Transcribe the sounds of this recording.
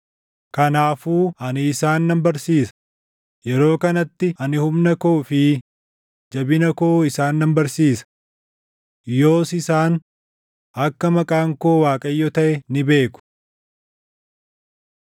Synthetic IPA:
kɐnaːfuːɐnɪːsaːnːɐmbɐɾsiːsɐ̥ | jɛɾo̞ːkɐnɐt̪ːɪɐnɪhʊmnɐkoːfɪ | d͡ʒɐbɪnɐkoːɪsaːnːɐmbɐɾsiːsɐ̥ | jo̞ːsɪsaːn | ʔɐkːɐmɐkʼaːŋko̞ːwaːkʼɐjːɔt̪ɐʔɛnɪbe̞ːkʊ̥

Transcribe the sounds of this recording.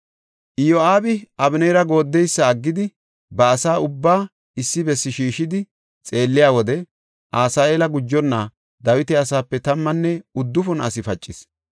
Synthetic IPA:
ʔɪjoaːbɪʔɐbɪneɾɐɡo̞ːd̪ːɛjsːɐːɡːɪd̪ɪ | bɐːsaːʊbːaː | ɪsːɪbɛsːɪʃiːʃɪd̪ɪ | t͡sʼe̞ːlːɪjaːwɔd̪ɛ | ʔaːsaːʔeːlɐɡʊd͡ʒːɔnːa | d̪ɐwɪt̪ɛɐsaːpːɛt̪ɐmːɐnːɛʊd̪ːʊfɔnɐsɪfɐt͡ʃʼːɪs

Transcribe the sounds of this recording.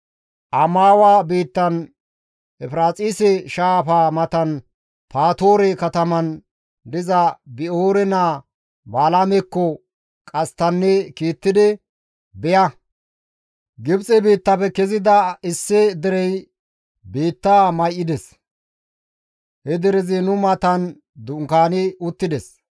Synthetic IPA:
ʔɐmaːwaːbiːt̪ːɐn | ʔɛfɾaːt͡sʼiːsɛʃaːfaːmɐt̪ɐn | pʰaːt̪o̞ːɾɛkɐt̪ɐmɐn | d̪ɪzɐbɪoːɾɛnaː | baːlamɛkːɔ | kʼɐst̪ɐnːɛkiːt̪ːɪd̪ɪ | bɛjɐ | ɡɪbt͡sʼɛbiːt̪ːɐpɛkɛzɪd̪ɐɪsːɛd̪ɛɾɛj | biːt̪ːaːmɐjʔɪd̪ɛs | hɛd̪ɛɾɪzɪnʊmɐt̪ɐn | d̪ʊŋkaːnɪʊt̪ːɪd̪ɛs

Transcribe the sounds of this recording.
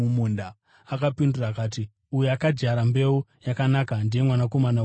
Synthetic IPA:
umunda | akapinduraːkaːti | ujeakad͡ʒaɾambe̞ujakanakandije̞mwanako̞mana

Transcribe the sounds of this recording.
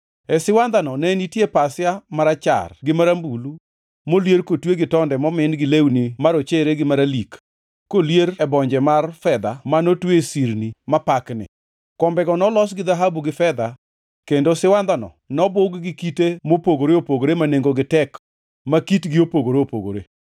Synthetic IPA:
ɛsɪwand̪anɔnɛnitjepasjamaɾat͡ʃa̰rɡɪmaɾambulu | moljeɾkotweɡɪtɔndɛmɔmɪnɡɪlewnimaɾot͡ʃeɾeɡɪmaɾalikː | oljeɾɛbɔɲd͡ʒɛmarfɛd̪amanotwesiɾnimapaknɪ̰ | kɔmbɛɡɔnɔlɔsɡɪd̪aɦabuɡɪfɛd̪a | kendosɪwand̪anɔ̰ | nɔbʊɡɡɪkitemopoɡoɾeopoɡoɾemaneŋɡoɡɪtɛk | makitɡɪopoɡoɾeopoɡo̰ɾe

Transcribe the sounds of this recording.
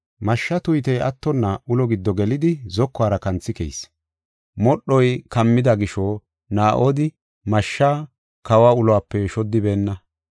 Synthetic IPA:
mɐʃːɐt̪ʊjt̪ɛjɐt̪ːɔnːɐʔʊlɔɡɪd̪ːɔɡɛlɪd̪ɪzɔkːɔaːɾɐkɐnt͡sːɪkɛ̰js | mɔɗːɔjkɐmːɪd̪ɐɡɪʃɔ | naːʔoːd̪ɪ | mɐʃːaː | kɐwaːʊlɔaːpːɛʃɔd̪ːɪbe̞ːnːɐ

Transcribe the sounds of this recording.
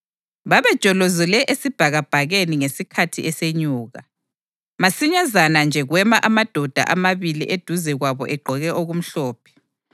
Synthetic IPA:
βaβɛd̥ʒ̥ʱʼɔlozɛlɛʔesib̥ʱaɣab̥ʱaɣeniŋesikʰatʰiʔɛseɲuːɣa | masiɲazanand͡ʒʱɛɣwɛmaʔamad̥ʱɔd̥ʱa̰ʔamaβilḭʔed̥ʱuzɛɣwaβɔ̰ʔɛɡ͡ǃʱɔɣɛʔoɣum̩ɬɔːpʰɛ̥

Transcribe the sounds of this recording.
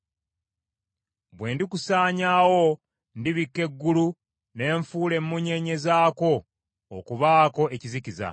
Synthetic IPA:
bwe̞ːndikusaːɲaːwo̞ | ndiβikːe̞ɡːulu | ne̞ːɱfuːle̞mːuɲe̞ɲe̞zaːko̞̰ː | kuβaːko̞e̞ciziciza̰

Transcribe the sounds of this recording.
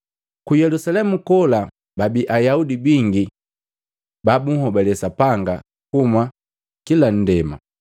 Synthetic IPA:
kujɛlusalɛmukɔla | babiʔajaudibiŋɡi | babuŋhɔbɛlɛsapaŋɡa | kuma | kilan̩dɛma̰

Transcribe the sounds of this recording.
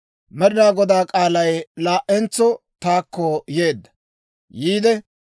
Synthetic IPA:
mɛd̪ɪɾaːɡɔd̪aːkʼaːlɐjlaːʔɛnt͡sːɔt̪aːkːɔje̞ːd̪ːɐ̥ | jiːd̪ɛ

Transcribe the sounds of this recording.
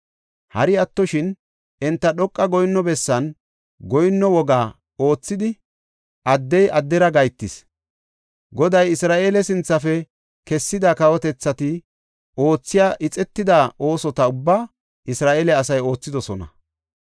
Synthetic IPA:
hɐɾɪɐt̪ːɔʃɪn | ʔɛnt̪ːɐɗɔkʼːɐɡɔjnːɔbɛsːɐn | ɡɔjnːɔwɔɡaː | o̞ːt͡sːɪd̪ɪ | ʔɐd̪ːɛjʔɐd̪ːɛɾɐɡɐjt̪ːɪs | ɡɔd̪ɐjɪsɾaːʔe̞ːlɛsɪnt͡sːɐfɛ | kɛsːɪd̪ɐkɐwɔt̪ɛt͡sːɐt̪ɪ | o̞ːt͡sːɪjaːʔɪt͡sʼɛt̪ːɪd̪aːʔo̞ːsɔt̪ɐʊbːaː | ʔɪsɾaːʔeːlɛɐsɐjo̞ːt͡sːɪd̪ɔsɔnɐ̰

